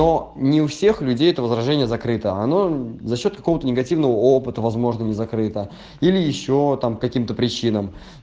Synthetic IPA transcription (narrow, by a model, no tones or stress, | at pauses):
no̞nʲɪʊfsʲe̞xlʲʉdʲejɛt̪əvəzɾɐʐɛnʲɪjəzɐkɾɨt̪əɐno̞zɐɕːo̞t̪̚kɐko̞vət̪ənʲɪɡɐtʲivnəvəopɨt̪əvɐzmo̞ʐnənʲɪzɐkɾɨt̪ə | ilʲɪjɪɕːo̞t̪amkɐkʲimt̪əpɾʲɪt͡ɕinəm